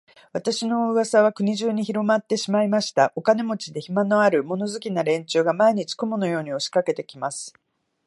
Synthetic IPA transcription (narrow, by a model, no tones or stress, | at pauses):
βat̪aɕino̞ɯβasaβ̞akɯ̟ɲ̟iʑɨːɲ̟içiɾo̞mat̪ːe̞ɕimaimaɕi̥t̪aʔo̞kane̞mo̞t͡ɕid̪e̞çimano̞aɾɯ̟mo̞no̞zɨkʲinaɾẽ̞ɲt͡ɕɨːɡamaiɲ̟it͡ɕi̥ko̞mono̞jo̞ːɲ̟io̞ɕi̥kake̞t̪e̞kʲimasɨ̥